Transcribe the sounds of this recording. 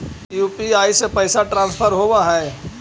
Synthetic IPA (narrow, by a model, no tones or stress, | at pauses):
juːpiaːisepɐɪsaʈɾãːnspʰəɾɦoːʋaɦɛː